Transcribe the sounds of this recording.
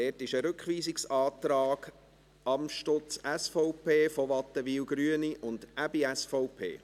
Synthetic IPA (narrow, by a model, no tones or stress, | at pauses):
ɛːtɪʃəɾɵkχʋiːsɪksɑːt̪ɾɑːɡ̥ | ɑmʃtɔt͡sæsfɔʊpʰeːfoʋɑt̪ːəʋiːlɡɾyəniʔʊnd̥æbiæsfɔʊpʰḛː